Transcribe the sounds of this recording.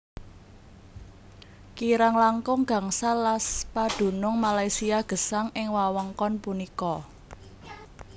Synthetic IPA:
kiɾaŋlaŋkʊŋɡ̥a̤ŋsalaspad̥ṳnʊŋmalajsiaɡ̥ə̤saŋʔɪŋwawəŋkɔnpunikɔ

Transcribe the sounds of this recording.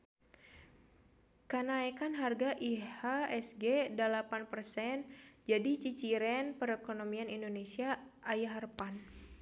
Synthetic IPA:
kənaɛkanɦarɡaʔihaɛsɡedalapanpərsɛnd͡ʒadit͡ʃit͡ʃiɾɛnpəɾɛkonomianindonesia | ajaɦərpan

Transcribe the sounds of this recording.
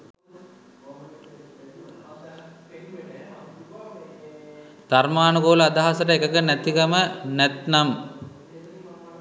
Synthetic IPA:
d̪̥armaːnuɡoːlɐad̪aɦasɐʈəekəkənæt̪ikɐmənæt̪nam

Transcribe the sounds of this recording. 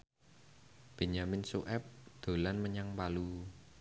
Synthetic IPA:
b̥e̤ɲamɪnsuʔɛp̚d̪̥o̤lanməɲaŋpalu

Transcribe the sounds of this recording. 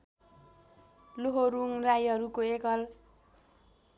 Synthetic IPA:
loɦoɾuŋrajɦʌɾukoekʌl

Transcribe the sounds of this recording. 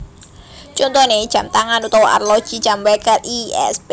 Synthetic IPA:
t͡ʃɔnt̪ɔned̥ʒ̥ä̤mt̪aŋanut̪ɔwa̰rlɔ̥ʒ̥i̥d͡ʒ̥ambɛkɛliɛ̰spe

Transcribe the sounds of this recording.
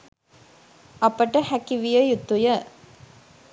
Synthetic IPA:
ɐpəʈəhækiʋijəjut̪ːujə

